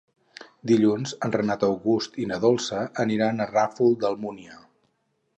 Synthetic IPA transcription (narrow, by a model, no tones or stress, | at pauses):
d̪iʎunzənrənat̪əwɣust̪inəðolˠsəʔəniɾanərafulˠd̪əlˠmuniə